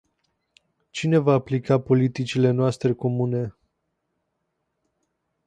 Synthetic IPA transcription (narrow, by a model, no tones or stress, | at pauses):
t͡ʃine̞vaːplikapo̞lit̪it͡ʃile̞noast̪ɾe̞ko̞mune̞